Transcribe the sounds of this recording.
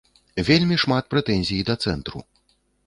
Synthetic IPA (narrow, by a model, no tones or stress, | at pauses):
vʲelʲmʲiʂmat̪̚pɾɛt̪ɛnʲzʲijd̪ɐt̪sɛnt̪ɾṵ